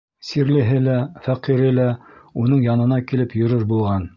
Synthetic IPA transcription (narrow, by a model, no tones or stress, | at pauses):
siɾlɘ̆ɦɘlæfæqiɾɘlæunɤɴjɑnɤ̆nɑkilɘpjɵ̆ɾɤɾbulˠʁɑn